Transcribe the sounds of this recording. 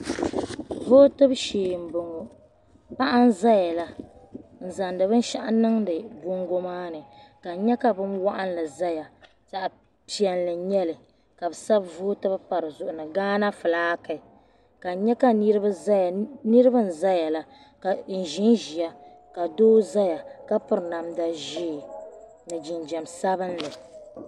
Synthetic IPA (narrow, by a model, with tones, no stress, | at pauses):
vo˦tɨ˦bʃeː˨m̩˨bo˨ŋo˨ | pa˦ʔa˦n˦za˦ja˨la˦ | n̩˨za˨ndɨ˨bɨ˦n˦ʃa˦ʔa˦nɨ˦ŋdɨ˨ɡo˦ŋɡo˦maː˦nɨ˨ka˨ɲɛ˦ka˨bɨ˦mwa˦ʔa˦nlɨ˨za˦ja˨ | ta˨ʔ | pi˨ɛ˨nlɨ˨ɲɛ˦lɨ˨ | ka˨bɨ˨sa˦bvu˦tɨ˦bɨ˦pa˨ɾɨ˨zʊ˨ʔʊ˨nɨ˨ɡaː˦na˦fɨ˨laː˦ka˨ | ka˨ɲɛ˦ka˦ni˦ɾɨ˦ba˦za˦ja˨nɨ˦ɾɨ˦bɨ˦n̩˨za˦ja˨la˨ | ka˨n̩˨ʒi˦nʒi˨ja˦ | ka˨doː˦za˦ja˨ka˦pʊ˦ɾna˨mda˦ʒi˦˨ | nɨ˨d͡ʒi˨nd͡ʒɛ˨msa˦bɨ˦nlɨ˨